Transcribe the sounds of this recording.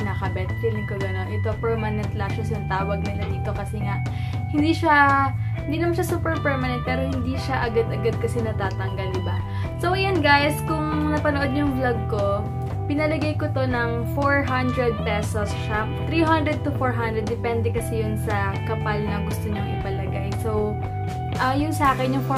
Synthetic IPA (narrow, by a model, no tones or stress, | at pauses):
nɐkɐbɛt̪fɪlŋkoɡɐnonʔɪt̪o̞pɛɹmɐnɛnt̪laʃɛsʊŋt̪aːwɐɡ̚nɐlɐnɪt̪o̞kɐsɛŋaʔ | hɪnd̪iʃahɪnd̪iːnɐmanʃasuːpɛɹpɛɹmɐnɛnt̪̚pɛːɾo̞hɪnd̪iʃaʔɐɡad̪ɐɡad̪̚kɐsɛnɐt̪aːt̪ɐŋɡɐlɪba | sowɪjanɡajskʊŋnɐpɐnoʔo̞d̪̚ɲʊŋblɐɡ̚ko̞ | pɪnɐlɐɡajkot̪o̞nɐŋfoɹɦand̪ɾɛd̪̚pɛsosʃa | t̪ɾiːɦand̪ɾɛd̪̚t̪ʊfoɹɦand̪ɾɛd̪ːɛpɛnd̪ɛkɐsɛjʊnsɐ | kɐpalnɐɡʊst̪oɲoŋʔɪpɐlɐɡajsow | ʔɐjʊnsɐʔaːkɛnjʊŋf